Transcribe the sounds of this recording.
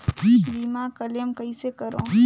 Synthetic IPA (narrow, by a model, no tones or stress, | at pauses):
biːmakəljəmkɐisekəɾõ̰ː